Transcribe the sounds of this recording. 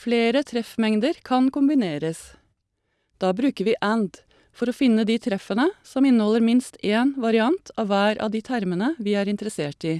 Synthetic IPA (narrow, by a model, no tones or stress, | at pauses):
fleːɾət̪ʰɾɛfmɛŋd̪əɾkʰɑnkʊmbɪneːɾəs | d̪̥ɑːbɾʉːkəɾʋiːʔænd̪ | fɔɾoːfɪnːəd̪iːt̪ʰɾɛfənəsɔmɪnːəhɔlːəɾmɪnst̪ʰeːnʋɑɾɪɑnt̪ʰɑ̰ːʋʋæːɾɑ̰ːʋd̪iːt̪ʰæɾmənəʋiːæːɾɪnt̪əɾəseːʈiː